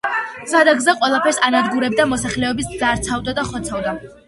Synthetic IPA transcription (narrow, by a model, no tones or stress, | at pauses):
zad̪aɡzaqʼwɛlˠapʰɛɾsanaɾɡuɾɛb̚d̪amɔsaχlɛɔbisdzaɾt̪sʰavd̪ad̪aχɔt̪sʰavd̪a